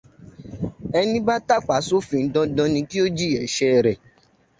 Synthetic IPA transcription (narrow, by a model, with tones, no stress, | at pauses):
ɛ˧nĩ˦ba˦ta˦˨k͡pa˨˦so˦fĩ˧n̩˦dɔ̃˧˦dɔ̃˧˦nĩ˧ki˦o˦d͡ʒi˦˨ɛ˨˦ʃɛ˦˧˨ɾɛ˨